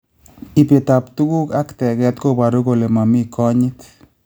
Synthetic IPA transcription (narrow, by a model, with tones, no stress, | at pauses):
i˨pje˨t̪apt̪u˦ku˦ka˦kt̪ɛ˨kɛ˧t̪ko˦pa˨ɾu˦ɡo˧le˨ma˨mi˦kʰo˦ɲi˦t̪